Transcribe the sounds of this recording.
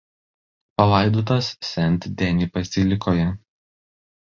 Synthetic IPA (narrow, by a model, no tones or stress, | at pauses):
pɐlˠɐˑɪd̪oːt̪ɐssʲɛnʲˑt̪ʲd̪ʲɛnʲipɐsʲɪlʲɪkoːjɛ